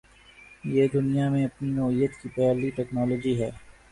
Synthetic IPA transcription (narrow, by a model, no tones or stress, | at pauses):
jeːd̪ʊnijamẽɐpninoːɦijət̪kipɛɦliʈɛːknɔːloːd͡ʒiɦɛː